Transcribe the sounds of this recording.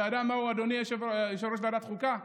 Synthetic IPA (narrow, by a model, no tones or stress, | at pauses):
adamːauad̪onieʃejeʃ̬aɾoʃ̬beadat̪χulka